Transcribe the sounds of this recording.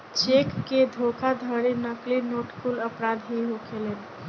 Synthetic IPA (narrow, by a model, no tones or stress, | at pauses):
t͡ʃeːkːed̪ʱokʰad̪ʱəɾinəklinoːʈkuləpɾaːd̪ɦiɦokʰelen